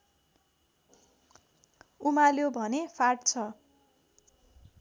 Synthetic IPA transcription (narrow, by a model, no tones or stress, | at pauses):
umaljobʱʌnepʰarʈt͡sʰʌ